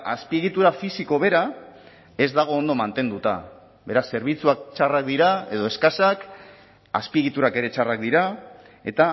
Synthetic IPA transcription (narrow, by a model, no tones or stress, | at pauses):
aspie̞ɣit̪uɾafisiko̞βe̞ɾa | e̞zd̪aɣ̞o̞ːnd̪o̞mant̪e̞nd̪ut̪a̰ | be̞ɾasːe̞ɾβ̞it͡suak̚t͡ʃarak̚d̪iɾae̞ðo̞e̞skasak | a̰spieɣ̞it̪uɾake̞ɾe̞t͡ʃarak̚d̪iɾa | e̞t̪a